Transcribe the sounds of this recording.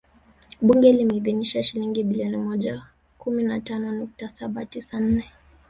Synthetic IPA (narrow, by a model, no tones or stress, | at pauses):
ɓuŋɡɛlimɛiðiniʃaʃiliŋɡiɓiliɔnimɔʄa | kuminatanɔnuk̚tasaɓatisan̩nɛ